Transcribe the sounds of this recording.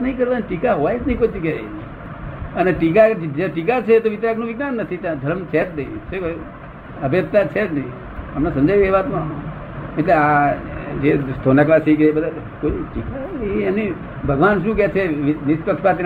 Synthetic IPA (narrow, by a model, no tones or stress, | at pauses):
nəɦĩkəɾt̪anʈikaɦoʋaed͡ʒnəɦĩkoit͡ʃ̪ikee | əneʈik̬ad͡ʒeʈikat͡ʃʰet̪oʋit̪jaknũʋɪɡnanːət̪ʰit̪ãd̪ʱəɾəmt͡ʃʰed͡ʒnəḭ̃t͡ʃek | əbʱet̪̚t̪at͡ʃʰed͡ʒnəĩ | əmnesə̃md͡ʒajeʋat̪mã | miʈlea | d͡ʒest̪ʰonaklasikebəd̪al | koiʈikani | bʱəɡʋanʃ̬ũːk̬ɛt͡ʃʰeʋnispəkʃpat̪i